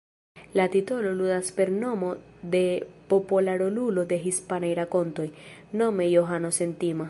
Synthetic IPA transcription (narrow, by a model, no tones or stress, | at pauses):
latito̞lo̞ludaspe̞ɾno̞mo̞d̪e̞po̞polaɾolulo̞d̪e̞ɦispanajɾako̞nto̞jno̞me̞jo̞ɦano̞se̞ntima